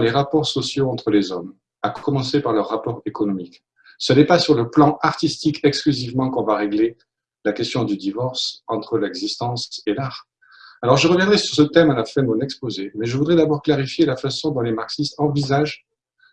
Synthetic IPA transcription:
leʁapɔʁsɔsjoɑ̃t̪χəlezɔm | akkɔmɑ̃sepaʁlœʁːapɔʁekɔnɔmik | sənɛpasyʁləplɑ̃ʔaʁt̪ist̪ikɛksklyzivmɑ̃kɔ̃vaʁeɡle | lakʲɛst̪jɔ̃d̪yd̪ivɔʁsɑ̃t̪χəlɛɡzist̪ɑ̃selaʁ | alɔʁʒəʁəvjɛ̃d̪ʁɛsy̥ʁsət̪ɛmalafɛ̃mɔ̃nɛkspozemɛʒəvud̪ʁɛd̪abɔʁklaʁifjelafasɔ̃d̪ɔ̃lemaʁksist̪ɑ̃vizaʒ

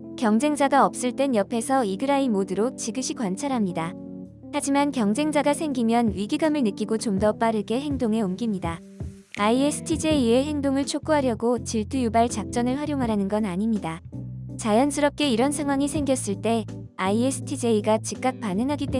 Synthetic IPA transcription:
kjʌŋd͡ʑe̞ŋd͡ʑaɡaʌp̚s͈ɯɭt͈e̞njʌpʰe̞sʰʌiɡɯɾaimodɯɾot͡ɕiɡɯɕʰikwant͡ɕʰaɾɦamɲida | had͡ʑimankjʌŋd͡ʑe̞ŋd͡ʑaɡasʰe̞ŋɡimjʌnɥiɡiɡamɯɭnɯk͈iɡot͡ɕomdʌp͈aɾɯɡe̞ɦe̞ŋdoŋe̞umɡimɲida | aiesʰɯ̥tʰid͡ʑe̞ie̞he̞ŋdoŋɯɭt͡ɕʰok̚k͈uɦaɾjʌɡot͡ɕiɭtʰujubaɭt͡ɕak̚t͡ɕ͈ʌnɯɭɸwaɾjoŋɦaɾanɯnɡʌnaɲimɲidat͡ɕajʌnsʰɯɾʌp̚k͈e̞iɾʌnsʰaŋɦwaŋisʰe̞ŋɡjʌs͈ɯɭt͈e̞ | aiesʰɯ̥tʰid͡ʑe̞iɡat͡ɕik̚k͈ak̚panɯŋɦaɡit͈e

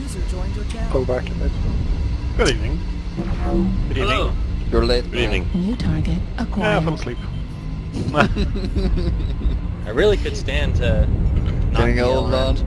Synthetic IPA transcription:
zəd͡ʒɔ̃ɪ̃nd͡ʒɡ̥oʊbæk̚tʰəpɪsə̃ɡ̥ʊɾivnɪ̃ŋ | ɡ̥ʊɾinɪ̃ŋjə˞leɪt̚ɡ̥ɾivnɪ̃ŋnjʉtʰɑɹɡɨt̚ʔəkʰɔfə̃mslip | ʔaɪɹɪlˠikʰɨd̥stæ̃ntʰɨ | nɛɾɪ̃ŋolˠɹən

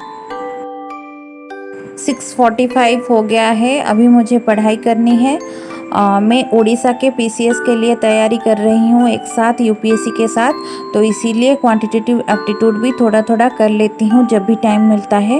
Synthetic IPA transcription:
sɪksfɔːɾʈifaːɪʋɦoɡɐjaɦɛɐ̰bʱimʊd͡ʒʱepɐɽ̤aːikɐɾniɦɛː | mɛ̃ʔoːɽiːsakepiːsieskeliet̪ɐjːaːɾikɐɾːɐɦiɦũḛːksaːt̪ʰjuːpieːsikesaːt̪ʰː | oɪsiliekʋãːɳʈɪʈeːʈɪʋɛːk̚ʈɪʈjuːɖbʱit̪ʰoːɽat̪ʰoːɽakɐɾleːt̪iɦũd͡ʒɐbʱːiʈaːɪmːɪlt̪aɦɛː

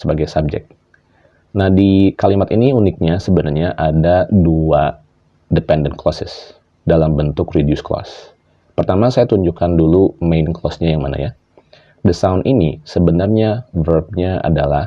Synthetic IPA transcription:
səbaɡajsab̚d͡ʒɛ̰k̚t̪̚ | nahdikalimat̪iniunɪk̪̚ɲasəbənarɲaʔadadua | dəpɛndən̚kʰlɔsɪ̰s | dalambənt̪ʊkridijusklɔ̰s | pərt̪amasajat̪uɲd͡ʒukandulumejnklɔsɲajaŋma̰na̰ja | dəsaunʔinisəbənarɲavərb̚ɲaʔa̰dalah

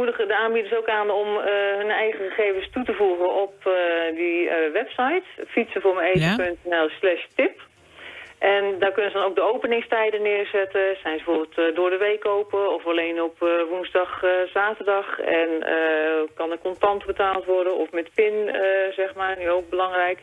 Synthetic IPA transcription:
mudədəaːnbidəsowkaːnɔmɦənɛjχəχəχeːvənstutəvuχənʔɔpdəʋɛpsajtfitsəvʊːɹməejtəpɵntɛnɛlˠslɛʃtɪp | ʔɛndaːrkønəzədɔnowk̚dəowpənɪŋstɛjdənɪːrzɛtəsɛjnbəvoːbɪlˠtdʊːɹdəʋejkowpəɔfalejnɔpʋunzdɑχzaːtərdɑχɛ̰nə̰kɑnəkɔntɑntbətaːlˠtʋɔrdənɔfmɛtpɪnzɛχmaːnyowk̚bəlɑŋrɛjk

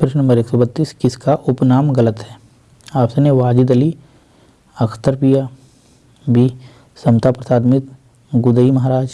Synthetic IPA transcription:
pʰɪɾɪʃnɐmbəɾeːksɔːbɐt̪ːiːskɪskaʔʊpnaːmɡɐlət̪ɦɛː | aːpseneʋaːd͡ʒid̪ɐli | ɐkʰt̪əɾpija | bi | sɐmt̪apɾɐt̪aːd̪mɪt̪ | ɡʊd̪əimɐɦaːɾaːd͡ʒ

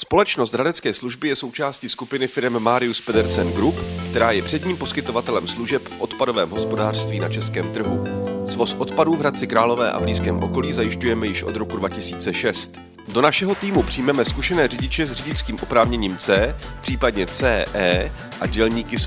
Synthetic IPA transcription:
spo̞lɛt͡ʃno̞st̪ɾadɛt͡skɛːsluʒbɪjɛso̞wt͡ʃaːsciskupɪnɪfɪɾɛmːaːɾɪuspɛdɛɾsɛnɡɾupkt̪ɛɾaːjɛpr̝̥ɛd̪ɲiːmposkɪt̪o̞vat̪ɛlɛmsluʒɛpfʔo̞t̪pado̞vɛːmɦo̞spo̞daːr̥st̪viːnat͡ʃɛskɛːmt̪r̩ɦuzvo̞sʔo̞t̪paduːvɦɾat͡sɪkɾaːlo̞vɛːʔa̰vliːskɛ̰ːmʔo̞ko̞liːzajɪʃcujɛmɛjɪʃʔo̞̰d̪ɾo̞kudvacɪsiːt͡sɛʃɛst̪ | do̞naʃɛɦo̞t̪iːmupr̥ɪjmɛmɛskuʃɛnɛːrɪɟɪt͡ʃɛzrɪɟɪt͡skiːmʔopɾaːvɲɛɲiːmt͡sɛːpr̥iːpadɲɛt͡sɛːʔɛː | ʔaɟɛlɲiːkɪ

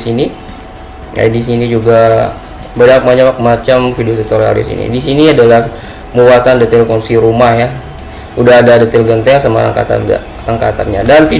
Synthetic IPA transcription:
sini | a̰dis̬inid͡ʒuɡa | bədap̚mat͡ʃakmat͡ʃamfidiot̪it̪oɾia̰ldḭsḭnḭdis̬iniadalah | muwat̪andət̪ɪlkɔŋsiɾumahja | udaɦadadət̪ɪlɡənt̪ɛsəma̰ɾa̰ŋka̰t̪a̰ | aŋkat̪amɲadanfi

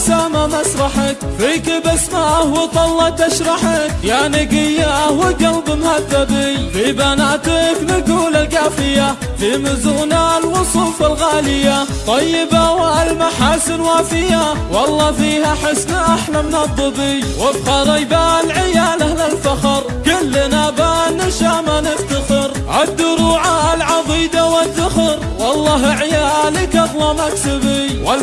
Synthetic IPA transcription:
saːmamaʃɾˤɑħak̚fiːkɪbasmaʔahwɪt̪ˤɑlːɑt̪aʃɾˤɑħakjaʕnɪɡɪjːaʔwɪɡɑld̪ˤɨmhad̪ːabɪjfibanaʔt̪ɪknɪɡuːlaɡaːfɪja | fimɪzʊʔnanwɨsˤuːfalɣaːlɪja | t̪ˤɑjːɪbawɪʔalmaħaːsɪnwaːsfɪjawɑlˤːɑːfiːhaħɪsnaʔaħlamɪnɑd̪ˤːɨbiwɪfxɑɾˤijbalʕɪjaːlalalfaxɑɾˤ | kʊlːɪnabaːnːɪʃaːmanɪft̪axɪɾ | ʕad̪ːʊɾˤuːʕaʔalʕɑd̪ˤiːd̪awɪd̪ːʊxɪɾ | wɑlˤːɑːɦʕɪjaːlikɑd̪ˤlɑmaksɪbiwɪl

